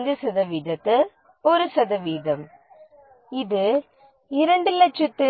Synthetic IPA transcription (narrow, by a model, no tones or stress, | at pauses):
nd͡ʒɯsɐðɐʋiːðɐt̪ːɯ | ɔɾɯsɐðɐʋiːðɐm | ɪðɯ | ɪɾɐɳɖɯlɐt͡ʃːɐt̪ːɯ